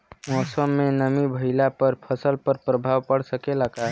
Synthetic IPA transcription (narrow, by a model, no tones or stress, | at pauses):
mɔsəmːenəmibʱəɪlapəɾpʰəsəlpəɾpɾəbʱaʋpəɽsəkelaka